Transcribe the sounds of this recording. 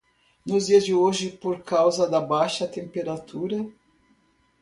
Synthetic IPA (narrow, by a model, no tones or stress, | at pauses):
nʊzd͡ʒiɐzd͡ʒɪoʒɪpoɾkawzɐd̪ɐbajʃɐt̪ẽmpeɾat̪uɾɐ